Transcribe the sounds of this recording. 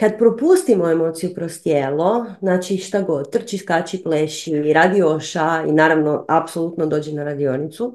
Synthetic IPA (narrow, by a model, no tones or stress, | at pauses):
kad̪pɾopust̪imoemo̞ːt̪sijupɾost̪jeːlˠo̞znaːt͡ʃiʃt̪aɡo̞d̪̚t̪rt͡ʃiskaːt͡ʃipleʃiɾaːd̪ioʃaḭnaːɾaʋnoapsolˠut̪nod̪o̞ːd͡ʑɛnaɾad̪io̞nit̪su